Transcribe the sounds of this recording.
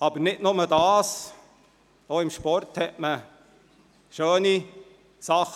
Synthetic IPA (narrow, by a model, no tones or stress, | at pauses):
ɑbəɾnɪtnʊmədɑːs | oːɪmʃpɔrthɛʔmə | ʃøːni | sɑχ